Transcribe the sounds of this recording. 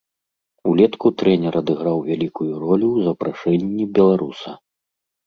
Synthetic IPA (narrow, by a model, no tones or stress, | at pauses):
ulʲɛt̪kut̪ɾɛnʲɛɾʔɐd̪ɨɣɾawvʲalʲikujuɾɔlʲuwzɐpɾaʂɛnʲːibʲɛlˠaɾusɐ